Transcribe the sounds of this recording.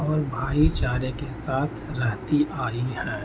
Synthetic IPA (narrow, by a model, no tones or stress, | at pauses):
ɔːɾbʱaːit͡ʃaːɾjəkesaːt̪ʰɾəɦt̪iʔaːihɛ̃ː